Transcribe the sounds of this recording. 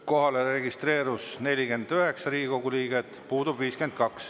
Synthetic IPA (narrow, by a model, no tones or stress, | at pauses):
ko̞ɦɑleɾe̞ɡist̪re̞ːɾusne̞lʲike̞nd̪̥øɦeksɑɾiːiko̞ɡuliːɡ̥et̪ːˑpuːd̪̥ubviːske̞nd̪̥̚kɑks